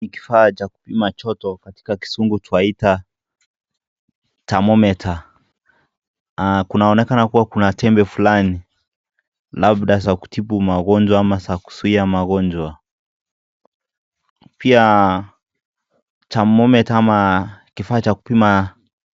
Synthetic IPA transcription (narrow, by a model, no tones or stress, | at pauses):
iki̥faːt͡ʃaku̥pimat͡ʃɔtɔkati̥kaki̥suŋɡutuaita | tamɔmɛtʰa | kunaɔnɛkanakuwakunatɛmbɛfulani | laɓɗas̬aku̥tipumaɣɔnd͡ʒwaamasaku̥suiamaɣɔnd͡ʒwa | pia | tamɔmɛtaamakifaːt͡ʃaku̥pima